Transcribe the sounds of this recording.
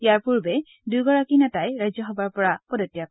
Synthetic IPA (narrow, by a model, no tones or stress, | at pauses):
jaɹpuɹbɛ | dujɡɔɹakinatajɹajzɔxɔbaɹpɔɹapɔdɔtijak